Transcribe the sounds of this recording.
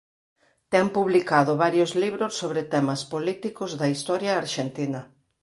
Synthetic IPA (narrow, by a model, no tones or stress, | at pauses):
t̪ɛŋpuβlikaðʊβaɾjozliβɾosːoβɾet̪ɛmɐspolit̪ikʊzðɐist̪ɔɾjɐːɾʃent̪inɐ